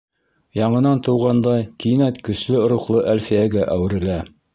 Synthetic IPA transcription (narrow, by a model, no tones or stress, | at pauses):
jɑɴɤ̆nɑnt̪ɤ̆wʁɑnd̪ɑjkinæt̪kɵ̆slɘŏɾuqlˠɤʔælfijæɡæʔæwɘ̆ɾɘ̆læ